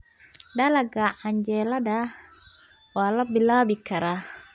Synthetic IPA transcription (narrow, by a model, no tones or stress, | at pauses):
dɐlɐɡaʕaɲd͡ʒɛːlɐdɐ | waːlɐbɪlaːbɪkʰɐɾa